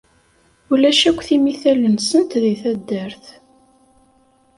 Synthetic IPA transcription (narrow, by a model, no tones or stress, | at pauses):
ulæʃækʷːθimiθælənsənt̪ðiθæd̪ːəɾθ